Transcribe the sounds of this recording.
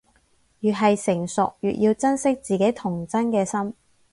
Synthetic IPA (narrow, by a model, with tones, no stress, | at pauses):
jyː˨˩ɦɐ˨jsɪ˨˩ŋsʊ˨k̚jy̰ː˨t̚jiː˧wt͡sɐ˥nsɪ˥k̚t͡siː˨ke˨˥jt̪ʰʊ˨˩ŋt͡sɐ˥nkɛː˧sɐ˥m